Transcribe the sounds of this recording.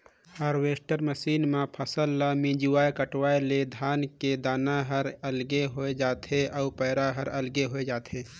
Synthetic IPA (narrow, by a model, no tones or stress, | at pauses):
həɾweːsʈəɾməsiːnmãpʰəsəlːamĩd͡ʒuwaːekəʈwaːeled̪ʱaːnked̪aːnaɦəɾəlɡeɦoːed͡ʒaːt̪ʰeʔaupəːɾaɦəɾɐlɡeɦoed͡ʒaːt̪ʰɦeː